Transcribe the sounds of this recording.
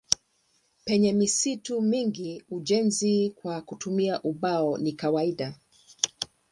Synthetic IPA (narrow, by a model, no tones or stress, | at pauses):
pɛɲɛmisitumiŋɡiuʄɛnzikwakutumiaʔuɓaɔnikawaiɗa